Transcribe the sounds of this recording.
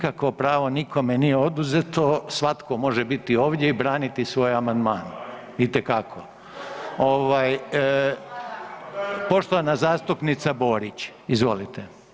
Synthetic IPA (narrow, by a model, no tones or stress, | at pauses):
kakʋo̞pɾaːʋo̞nikʰo̞menijeo̞d̪uzet̪o̞sʋat̪ko̞mo̞ʒebit̪io̞ːʋd̪je̞ibɾaːnit̪isʋo̞ːjamand̪maːn | it̪ekakʰo | oʋaj | po̞ʃt̪oanazaːst̪upnit̪sabo̞ːɾit͡ɕizʋo̞lit̪e